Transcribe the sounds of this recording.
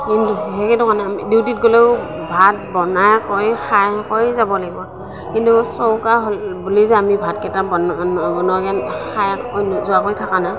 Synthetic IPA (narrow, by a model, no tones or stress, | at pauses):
kintuɦɛkɛdɔkʰanamidiwtit̚ɡole | bʱat̚bɔnajkojxajkɔjzabɔlaɡibɔ | kintusɔwkaɦɔlbulizɛamibʱatkɛtabɔbɔnɔɡanxʰajkɔjzɔakojtʰakana